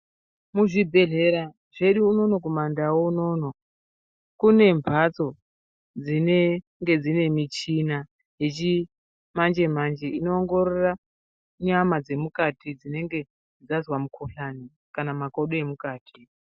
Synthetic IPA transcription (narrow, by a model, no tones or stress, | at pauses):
muʐibʱe̞ɮe̞ɾa | ʐ̥e̞ɗuːno̞no̞k̬omandawouno̞ːno̞ | kune̞mvʱat͡so̞ | d͡zine | ŋɡe̞d͡zine̞mit͡ʃina | je̞t͡ʃi | mand͡ʒe̞mand͡ʒe̞ino̞ːŋɡo̞ɾora | ɲamad͡ze̞mukatid͡zine̞ŋɡe̞ | d͡zazwamukʰoɬani | kanamako̞ɗoe̞mukaːtʰi